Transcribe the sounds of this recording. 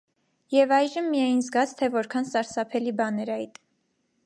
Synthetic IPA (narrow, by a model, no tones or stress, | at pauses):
jɛvɑjʒəmːijɑjinzɡɑt͡sʰt̪ʰɛvɔɾkʰɑnsɑɾsɑpʰɛlibɑnɛɾɑjt̪